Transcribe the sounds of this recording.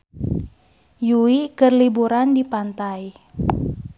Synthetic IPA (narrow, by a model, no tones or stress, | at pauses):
juikərlibuɾandipant̪aj